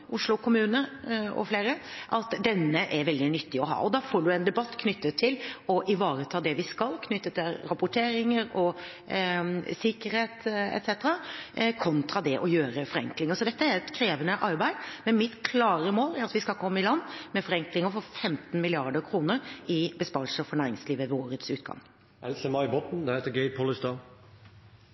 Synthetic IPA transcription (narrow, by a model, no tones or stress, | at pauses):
ʊʂlʊkʰʊmʉːnəɔ̰fleːɾəʔɑt̪d̪ɛnːəʔɛɾʋɛld̪ɪnʏt̪ːɪɔɦɑ̰ːɔd̪ɑːfoːɖʉɛnd̪ɛbɑt̪ːkʰnʏt̪ːət̪ʰːɪlɔʔɪʋɑːɾət̪ʰɑːd̪ɛʋɪskɑlkʰnʏt̪ːət̪ːɪlɾɑpʊʈʰeːɾɪŋəɾɔ | sɪkəɾheːt̪ɛ̰t̪sɛt̪əɾɑkʰɔnt̪ʰɾɑd̪ɛʔɔjøːɾəfɔɾɛ̰ŋklɪŋəsɔd̪ɛt̪ːəæɾɛt̪kʰɾeːʋənəʔɑɾbæɪd̪mɛnmɪt̪kʰlɑːɾəmoːlæɾɑt̪ʋɪskɑlkʰɔmːəɪlɑnːmɛfɔɾɛŋklɪŋəfɔɾfɛmt̪n̩mɪlɪɑɖəɾkʰɾuːnəɾɪbəspɑːɾlsəfɔɳæːɾɪŋsliːʋəʋoːɾət̪sʉːt̪̚ɡɑ̰ŋ | ɛlsəmɑɪbɔt̪n̩d̪ɛheːt̪əɡɛɪt̪̚pʰɔləst̪ɑn